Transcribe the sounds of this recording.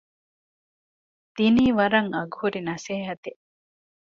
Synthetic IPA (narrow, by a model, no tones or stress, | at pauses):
d̪̥iniːʋɐɾɐŋɐɡhuɾinɐseːɦɐt̪i